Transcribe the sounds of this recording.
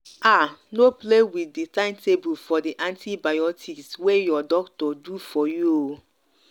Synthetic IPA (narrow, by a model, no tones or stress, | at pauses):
anoplewiditãɪ̃ntebulfɔdiʔãntʰibajɔtʰikswejɔdɔktɔdufɔjuo